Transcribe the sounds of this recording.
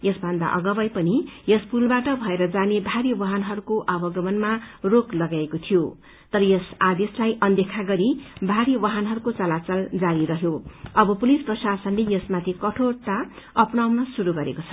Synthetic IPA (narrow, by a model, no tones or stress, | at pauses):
jʌsbʱʌnd̪a̰ʔʌ̰ɡʌbʌjpʌnijʌspulbaʈʌbʱʌeɾʌd͡zanebʱaɾiwʌɦʌnɦʌɾukoʔʌbʌɡʌmʌnmaroklʌɡaekot̪ʰijo | t̪ʌɾʌjʌsad̪eslajʔʌnd̪ekʰaɡʌɾibʱaɾiwʌɦʌnɦʌɾukot͡sʌlat͡sʌld͡zaɾiɾʌɦjoʌbʌpulisprʌsasʌnlejʌsmat̪ʰikʌʈʰort̪aʌpnawnʌsuɾuɡʌɾḛkot͡sʰʌ